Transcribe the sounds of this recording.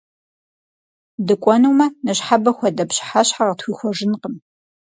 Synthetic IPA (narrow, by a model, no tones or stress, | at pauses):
dɨkʷʼɔnuwmɐnɐɕħabɐxʷɔdɐpɕħaɕħaʁətxʷixʷɔʐɪnqəm